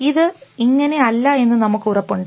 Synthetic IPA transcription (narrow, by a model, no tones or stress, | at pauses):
iðɨiŋːɐne̞ɐlːɐe̞nːɨnɐmukːurɐpːuɳɖ